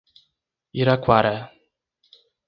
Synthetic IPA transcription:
iɾakwaɾa

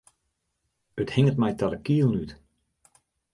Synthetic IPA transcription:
əthɪŋət̚mɛjtadəkiəlˠnyt

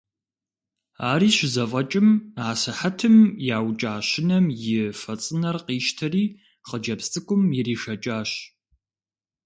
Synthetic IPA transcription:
aːɾiːɕɪzɐfʼɐt͡ʃʼɪmaːsɨħɐtʰɨmjaːwt͡ʃʼaːɕɪnɐmjɪfɐt͡sʼɨnɐrqiːʃtʰɐriː | qəd͡ʒɐpstʰʼɨkʷʼʊmjɪɾiːʃɐt͡ʃʼaːɕ

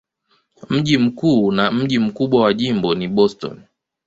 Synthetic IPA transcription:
m̩ʄim̩kuːnam̩ʄim̩kuɓwawaʄimbɔniɓɔstɔ̰n

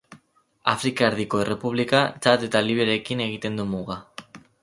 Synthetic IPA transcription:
afɾikaeɾðiko̞e̞re̞puβ̞likat͡ʃat̪e̞t̪aliβ̞eɾe̞kine̞ɣ̞it̪e̞nd̪umuɣa

